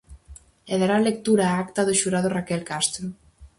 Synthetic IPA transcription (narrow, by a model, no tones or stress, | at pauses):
eðaɾalek̚t̪uɾaakt̪aðʊʃuɾaðʊrakɛlkast̪ɾo